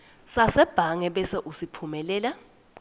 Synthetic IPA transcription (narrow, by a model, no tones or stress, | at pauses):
sasɛb̥ʱaŋɛɓɛsɛʔusipʰumɛlɛːla